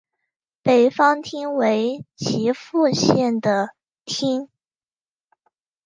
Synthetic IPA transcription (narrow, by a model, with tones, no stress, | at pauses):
pe˨˩ɪfɑ˥ŋt̪ʰi˥ŋwe˧˥ɪt͡ɕʰi˧˥fu˥˧ɕjɛ˥˩nd̪ə˩ | t̪ʰi˥ŋ